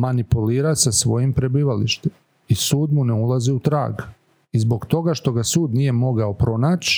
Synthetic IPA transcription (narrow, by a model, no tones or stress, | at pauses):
manipuliːɾasasʋo̞jimpɾe̞biːʋalḭʃt̪em | isuːd̪muneulˠaziut̪ɾa̰ːɡ | izbo̞ɡt̪o̞ɡaʃt̪o̞ɡasuːd̪nije̞mo̞ɡaopɾo̞naːt͡ɕ